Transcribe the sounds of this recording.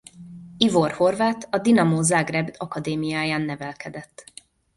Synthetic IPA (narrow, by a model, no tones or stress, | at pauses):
ivo̞rho̞rvaːt̪ʰɒd̪inɒmoːzaːɡrɛbd̪ɒkɒd̪eːmijaːjaːnːɛvɛlkɛd̪ɛt̪ː